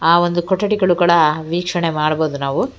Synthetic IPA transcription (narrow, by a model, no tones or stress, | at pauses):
aːʋond̪ukɔʈːɐʈiɡɐɭukuːɽɐʋiːkʂɐɳemaːɽɐboːd̪unaːʋu